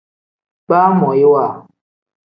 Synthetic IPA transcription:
pa˦mɔ˨ji˦wa˦˨

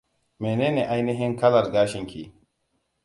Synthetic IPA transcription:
meː˨neː˦ne˨ʔa˦jni˦ɦɪ˦ŋkɐ˦lɐ˨ɾɡaː˦ʃɪ˦ŋkʲʰḭ˨

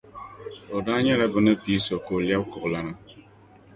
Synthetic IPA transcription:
o˨da˦ɲɛ˦ɾa˦bɨ˨nə˦pi˨˦so˨ko˨lja˦b̚kɔ˨ʔla˦na˦

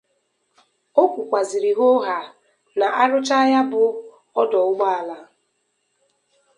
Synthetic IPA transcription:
o˦kʷu˨kʷa˨zi˨ɾi˨ɣo˦ɦa˨ | na˨ʔa˦ɾʊ˦t͡ʃa˦ja˦bʊ˨ | ɔ˦dɔ˨ʊ˦ɡ͡ba˦a˨la˦

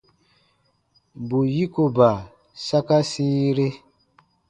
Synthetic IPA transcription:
bu˨ji˦ko˨ba˨ | sa˦ka˦sĩ˦ɾe˦

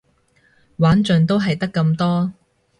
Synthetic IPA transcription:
waː˨˥nt͡ʃɵ˨nt̪̬o˥wɦɐ˨jt̪ɐ˥kːɐ˧mt̪ɔː˥

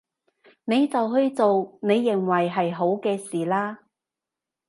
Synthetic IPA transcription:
ne˨˧jt͡sɐ˨wɦɵ˧ɥt͡so˨wne˨˧jːɪ˨˩ŋwɐ˨˩jɦɐ˨jɦo˨˥wkɛː˧siː˨laː˥

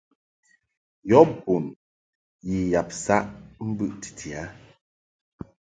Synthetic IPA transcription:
jɔ˨˦bu˨n | ji˨ja˨p̚sa˦ʔm̩˦bʉ˦ʔti̥˨tʰi˨a˨˦

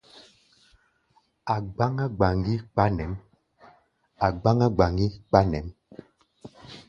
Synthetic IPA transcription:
a˨ɡ͡ba˦ŋa˦ɡ͡ba˨ŋɡi˦k͡pa˦nɛ˨˦m | a˨ɡ͡ba˦ŋa˦ɡ͡ba˨ŋɡi˦k͡pa˦nɛ˨˦m

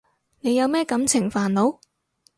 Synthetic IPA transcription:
ne˨˧jɐ˨˧wmɛː˥kɐ˨˥mt͡sʰɪ˨˩ŋfaː˨˩nlo˨˧˥w

